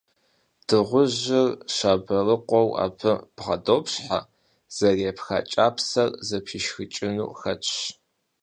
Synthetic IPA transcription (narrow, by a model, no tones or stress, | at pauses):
d̥ɨʁʷʊʑɪrɕaːbɐrɨqʷɔwa̰ːpʰɨb̥ʁɐ̰doːpɕħa̰ | z̥ɐreːpxa̰ːt͡ʃʼaːpʰsɐrzɐpʰiʃxɨt͡ʃʼɪnṵːxɐt͡ʃʼɕ